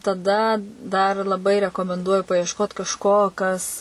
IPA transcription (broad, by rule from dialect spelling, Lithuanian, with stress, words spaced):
tɐˈdɐ dɐr lˠɐˈbɐɪ rʲɛkoːmʲɛnˈduɔjʊ pɐɪɛʃˈkoːt kɐʃˈkoː ˈkɐs